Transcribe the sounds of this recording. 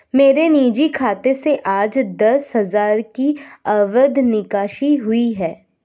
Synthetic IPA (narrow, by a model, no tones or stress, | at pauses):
meːɾeniːd͡ʒikʰaːt̪eseʔaːd͡ʒd̪ɐsɦɐzaːɾkiaːʋəd̪nɪkaːʃiɦʊiɦɛː